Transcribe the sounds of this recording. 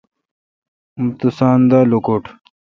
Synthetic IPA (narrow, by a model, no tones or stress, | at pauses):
mut̪usaːnd̪aːlukoʈ